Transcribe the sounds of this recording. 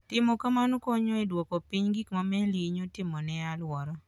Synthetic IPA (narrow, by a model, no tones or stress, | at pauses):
tɪmɔkamanokɔɲɔidwɔkopiɲɡikmamɛliɲotɪmɔnɛalwɔɾɔ